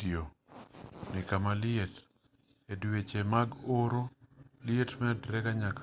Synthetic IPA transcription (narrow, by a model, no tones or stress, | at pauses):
io | nɪkamalɪet | edwet͡ʃemaɡoɾolɪetmɛdɾɛkaɲak